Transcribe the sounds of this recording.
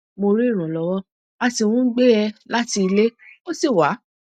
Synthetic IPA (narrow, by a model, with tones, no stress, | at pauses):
mo˧ɾi˦i˦˨ɾ̃ã˨lɔ˧˦wɔ˦ | a˧ti˧wũ˦ɡ͡be˦ɛ˧la˦ti˧i˧le˦o˦se˦˨wa˨˦